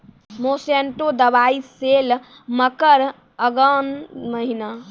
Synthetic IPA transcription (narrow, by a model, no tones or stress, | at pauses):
moseɳʈod̪əβaisel | məkəɾ | əɡənməɦina